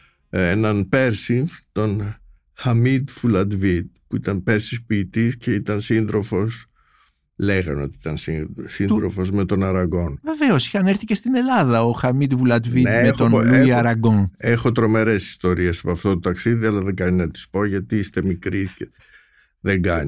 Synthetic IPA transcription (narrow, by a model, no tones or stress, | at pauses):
enɐnpe̞ɾsit̪o̞n | xɐmid̪fulɐd̪vid̪̚puit̪ɐnpe̞ɾsispiːt̪isce̞it̪ɐnsind̪ɾo̞fo̞s | le̞ɣɐno̞̰t̪iit̪ɐnsisinɾo̞̰fo̞zme̞t̪o̞nɐɾɐɡo̞nve̞veosi̥xɐneɾθicest̪ine̞lɐðɐoxɐmid̪vulɐd̪vind̪emet̪onoluiɐɾɐɡonexo̞t̪ɾo̞me̞ɾe̞si̥st̪o̞ɾie̞sɐpɐft̪ot̪ot̪ɐksiðiɐlɐðeŋɡɐɲinɐt̪i̥spo̞ʝɐt̪iist̪e̞mikɾice | ðeŋɡɐɲi